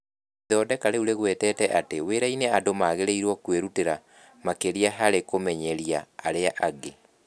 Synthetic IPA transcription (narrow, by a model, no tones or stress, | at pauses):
ðɔdɛkaɾeuɾeɣwɛtɛːtɛʔateweɾaineadomaɣeɾeiɾwɔkweɾuteɾa | makeɾiaɦaɾekomɛɲɛɾiaːɾeaʔaɡe